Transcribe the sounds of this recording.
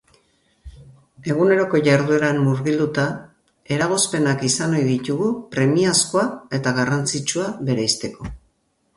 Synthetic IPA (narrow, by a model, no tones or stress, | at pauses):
e̞ɣ̞une̞ɾo̞ko̞ʝaɾðue̞ɾanːuɾɣild̪ut̪a | e̞ɾaɣ̞o̞spe̞nakisano̞jðit̪uɣupɾe̞miaskoae̞t̪aɣarant͡sit͡ʃuaβe̞ɾajst̪e̞ko̞